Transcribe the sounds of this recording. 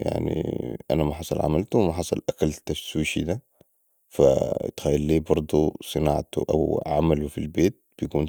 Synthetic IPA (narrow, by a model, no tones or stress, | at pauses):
ja̰ʕnḭʔa̰namaħɑsˤɑlʕa̰malt̪uwmaħɑsˤɑlʔakalt̪aswiːʃid̪a | fa̰t̪xaːjːalːiːbɑɾˤd̪ˤusˤɨnɑːʕt̪ṵʔa̰wʕamalufilbeːt̪̚b̥ijkuːn